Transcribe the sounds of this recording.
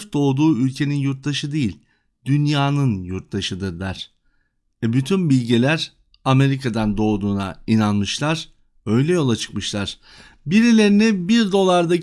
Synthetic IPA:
fd̪̥o̞ːd̪uːylʲcʰe̞ninjuɾt̪̚d̪aʃɯd̪ejilʲ | d̪̥ynjaːnɯnjuɾt̪d̪aʃɯd̪ɯɾd̪aɾ̥ | ɛbyt̪ʰynbilʲɟilʲæɾ | ame̞ɾikʰad̪and̪o̞ːd̪uːna̰inanmɯʃlˠaɾ̥ | ø̞jlʲɛjo̞lˠat͡ʃʰɯ̥kmɯʃlˠaɾ̥ | biɾilʲe̞ɾinɛbiɾd̪o̞lˠaɾd̪a

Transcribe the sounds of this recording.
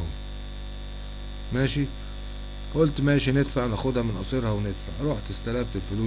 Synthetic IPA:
ʊm | maːʃi | ʔʊlt̪maʃinɪd̪faʕnaxʊd̪hamɪnʔɑsˤiɾhawnɪd̪fa̰ʕɾˤuːħt̪ɪst̪alamt̪ɪlfʊluː

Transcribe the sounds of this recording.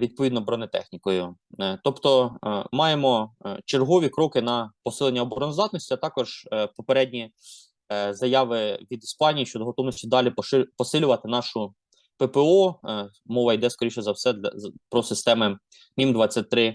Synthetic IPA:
ʋʲid̪̚pɔʋʲid̪nɔbɾɔnɪt̪ɛ̰xnʲikɔjʊ | t̪ɔpt̪ɔmɑjemɔt͡ʃerɦɔʋʲikɾɔkɪnɐpɔsɪlˠenʲːɐɔbɔɾɔnɔzd̪ɑt̪nɔsʲtʲiɐt̪ɑkɔʒ̥pɔpeɾɛdʲnʲi | zɐjɑʋɪʋʲid̪ispɑnʲijiʃt͡ʃɔd̪ɔɦɔt̪ɔwnɔsʲtʲid̪ɑlʲippɔsɪlʲʊʋɐt̪ɪnɑʃʊ | pepeɔ | mɔʋɐjd̪ɛskɔɾʲiʃɔzɐwsɛpɾɔsɪst̪ɛmɪ | mʲimd̪ʋɑt͡sʲːɐt̚ʲt̪ɾɪ

